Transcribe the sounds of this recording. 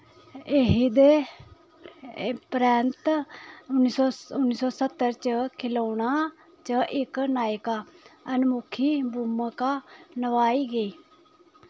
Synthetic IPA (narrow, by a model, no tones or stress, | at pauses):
eɦid̪eː | pɾɛːnt̪ʊnːiːsɔːʊnːiːsɔːsət̪ːəɾt͡ʃəkʰɪlaːɳ̃aː | t͡ʃəʔɪknaːjkaːənmʊkʰiːbuːməkaːnəʋaːiːɡəiː